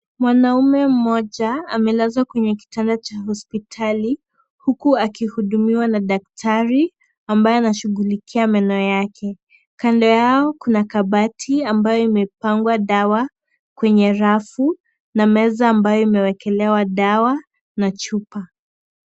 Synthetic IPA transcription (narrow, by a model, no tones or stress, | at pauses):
mwanaumɛm̩mɔʄaamɛlazwakwɛɲɛk̬i̥tandat͡ʃahɔspitʰali | hukuakihuɗumiwanaɗak̚tʰaɾi | ambajɔanaʃuɠulikʰiamɛnɔjakʰɛ | kandɔjaɔkunakaɓatʰiambajɔimɛpaŋɡwaɗawa | kwɛɲɛɾafu | namɛzaːmbajɔimɛwɛkɛlɛwaɗawa | nat͡ʃupa